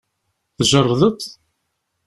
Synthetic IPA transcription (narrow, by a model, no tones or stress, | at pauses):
θʒərˤːðˤət̪